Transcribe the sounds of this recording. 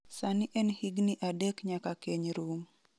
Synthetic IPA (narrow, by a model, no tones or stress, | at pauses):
sanɪʔɛnhiɡniʔadɛkɲakakeɲɾuŋ